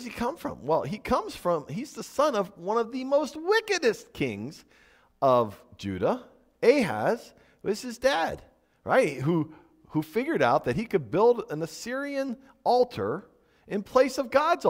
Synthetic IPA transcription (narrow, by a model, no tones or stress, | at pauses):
z̥ikʰʌ̃ɱfɹʌ̰̃mwɛlˠikʰʌ̃mz̥fɹʌ̃mizðəsʌ̃nʌvwʌ̃nʌvðɨmoʊst̚wɪkɨɾɨskʰɪ̰̃ŋz | ʌvd͡ʒʉ̰ɾə | eɪɦæ̰z̥ | wɪz̥ɨzdæd̥ | ɹʔaɪt̚ɦu | hufɪɡjə˞ɾaʊt̪̚ðɨt̚hikɨd̚bɪlˠdɨ̃nɨsɪɹiɨ̃n | ɔlˠtʰə̰˞ | ʔɨ̃npʰl̥eɪsʌvɡɑdz